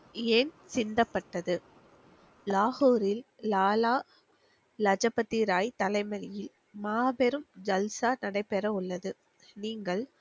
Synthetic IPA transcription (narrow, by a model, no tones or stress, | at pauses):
eːn | sɪnd̪ɐpːɐʈːɐðɯ | laːhoːɾɪlː | aːlaː | lɐd͡ʒɐpːɐt̪ːiɾaːjt̪ɐlɐɪmɐɾɪjɪl | maːbɛɾɯmd͡ʒɐlsaːnɐɽɐɪpːɛɾɐʊɭːɐðɯ | niːŋɡɐɭ